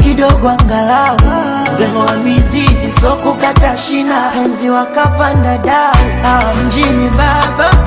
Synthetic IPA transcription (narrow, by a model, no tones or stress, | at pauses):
kiɗɔɡɔaŋɡalau | ɡɛwamizizisɔkukataʃinapɛnziwakapandaɗauhawad͡ʒinibaba